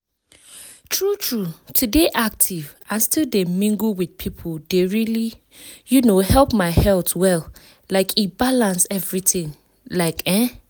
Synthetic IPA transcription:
tʰɹutʰɹutʰudeʔak̚tʰiv | ãstʰilˠdemĩŋɡwid̥pʰipʰoldeɹili | junohɛlˠpmaɪhɛltwɛl | laɪkʰibalãnsɛvɹitĩŋ | laɪkʰɛ̃

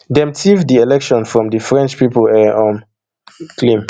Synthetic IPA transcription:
dɛ̃mtʰivdiɛlɛkʃɔ̃nfɹɔ̃mdəfɹɛ̃nt͡ʃpipəlɛɔ̃m | kʰlĩm

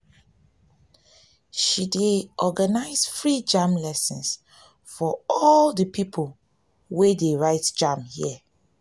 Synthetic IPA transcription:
ʃideʔɔɡanaɪzfɹid͡ʒamlɛsɔ̃ns | fɔɔldəpʰipʰol | wedeɹaɪtd͡ʒãmhiə

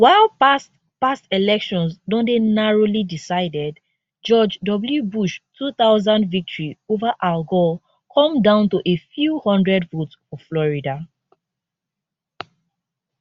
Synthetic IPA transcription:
waɪlpast | pastelɛkʃɔ̃nsdɔ̃ndenaɹolidisaɪdɛd | d͡ʒɔd͡ʒdɔbljubuʃtʰuθaʊzãndvik̚tʰɔɹiovaʔalɡɔ | kʰɔ̃mdãʊ̃ntuʔefjuhɔ̃ndɹɛdvotsfɔflɔɹida

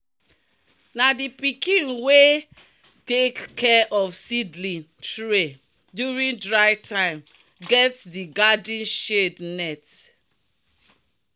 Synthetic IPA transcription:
nadipikĩnwe | tekːʰɛʔɔfsidlĩntɹe | djuɹĩŋdɹaɪtʰãɪ̃m | ɡɛtsdiɡadĩn̩ʃednɛt

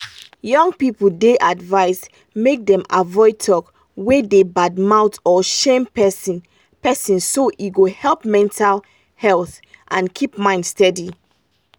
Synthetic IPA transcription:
jɔ̃ŋɡpipul̩deʔadvaɪs | mek̚dɛ̃mavɔɪtʰɔk | wedebadmaʊtɔʃẽmpɛs | pɛsĩnsoʔiɡohɛlp̚mɛ̃ntʰal | hɛlθ | ʔãnkʰip̚mãɪ̃ndstɛdi

